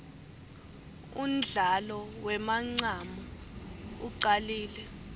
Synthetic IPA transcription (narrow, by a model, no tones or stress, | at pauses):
ṵm̩d͡ɮɮʱalɔwɛmaŋ͡ǀama | uǀaliːlɛ